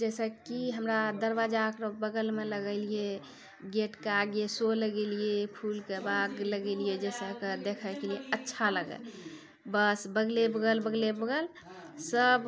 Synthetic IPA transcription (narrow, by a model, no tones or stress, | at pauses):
d͡ʒɛsəkiɦəmɾad̪əɾbad͡ʒakɾobəɡəlmeləɡəɪlije | ɡeʈkeaɡesoləɡelijepʰulkebaɡləɡelijed͡ʒɛsəkəd̪ekʰəjkelijeətːʃʰaləɡə̰l | bəsbəɡlebəɡəlbəɡlebəɡəl | səb